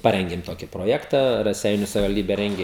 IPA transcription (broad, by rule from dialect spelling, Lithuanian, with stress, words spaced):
ˈpɑːrʲɛŋʲɡʲɪm ˈtoːkʲɪ proːˈjæːktɐ rɐˈsʲɛɪnʲʊ sɐʋʲɪʋɐlʲˈdʲiːbʲɛ ˈrʲɛŋʲɡʲɪ